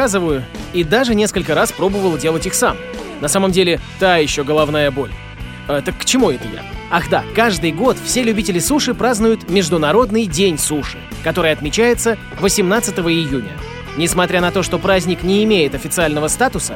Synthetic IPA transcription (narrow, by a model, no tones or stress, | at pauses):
azɨvəjʊid̪aʐɨnʲe̞skəlʲkəɾaspɾo̞bəvəlˠdʲe̞lˠətʲixsam | nɐsaməmdʲelʲɪt̪ajɪɕːo̞ɡəlˠɐvnajəbo̞̰lʲ | t̪əkːt͡ɕɪmuɛt̪əja̰axd̪akaʐd̪ɨjɡo̞t̪fsʲelʲʉbʲitʲɪlʲɪsuʂɨpɾaznʊjʊt̪mʲɪʐd̪ʊnɐɾo̞d̪nɨjdʲenʲsuʂɨ̥kɐt̪o̞ɾɨjəɐt̪mʲɪt͡ɕæjɪt̪sə | vəsʲɪmnat̪sɨt̪əvəɪjunʲə̰ | nʲɪsmɐt̪ɾʲanɐt̪o̞ʂt̪o̞pɾazʲnʲɪknʲɪːmʲejɪt̪ɐfʲɪt̪sɨalʲnəvəst̪at̪ʊsə